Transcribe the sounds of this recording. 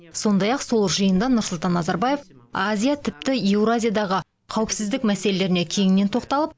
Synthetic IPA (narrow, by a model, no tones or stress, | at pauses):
so̞nd̪ɑjɑqso̞lˠʒəjənd̪ɑnʊɾsʊlˠt̪ɑnːɑzɑɾbaje̞fazʲijat̪ʰɪp̚t̪ɪewɾazʲijad̪ɑʁə | qʰɑwɪpsɪzd̪ɪkmæse̞lele̞ɾɪne̞kʲʰe̞ŋɪne̞nt̪ʰo̞qt̪ɑlˠəp̚